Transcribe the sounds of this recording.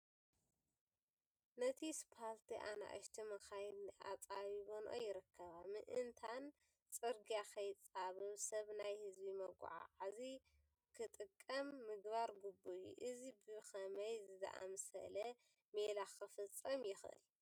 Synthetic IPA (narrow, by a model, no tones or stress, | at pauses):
nɐt̪ʰispʰaɾt̪ʰiʔana̰ʔɨ̰ʃt̪ʰimɐxajd̪niʔa̰t͡sʼaβiβonʔo̰jːɪɾɨkʰːɐβamɨʔɨnt̪ʰan | t͡sʼɨɾɡijakʰɐjt͡sʼaβɨβsɐβnajhɨzbimɐɡ̰ʷʕa̰ʕazi | kʰɨt̪ʼɨkʼːɐmːɨɡβaɾɡubujṵʔɨzibɨxɐmɐjzɨzɐ̰ʔa̰msɐ̰lɐ | melaxɨfɨt͡sʼːɐmjɪxʔɨ̰l